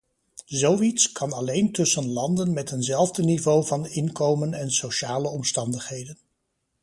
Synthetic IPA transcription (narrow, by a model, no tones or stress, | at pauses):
zowitskɑnɑlejntɵsənlɑndənmɛtɦənzɛlˠvdənivowvɑnɪnkowmənɛnsowʃaːləɔmstɑndəχɦejdən